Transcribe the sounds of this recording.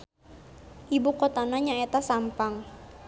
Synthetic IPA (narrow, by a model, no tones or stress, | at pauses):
ʔibukot̪anaɲaet̪asampaŋ